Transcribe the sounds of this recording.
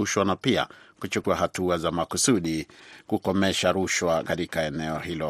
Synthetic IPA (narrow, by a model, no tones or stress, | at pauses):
uʃwanapia̰kut͡ʃukuahatuazamakusuɗikukɔmɛʃaɾuʃwakatikaɛnɛɔhilɔ